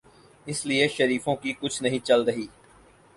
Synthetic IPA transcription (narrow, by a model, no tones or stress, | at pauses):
ɪslieʃəɾiːfõkikʊt͡ʃʰnɐɦĩt͡ʃɐlɾɐɦiː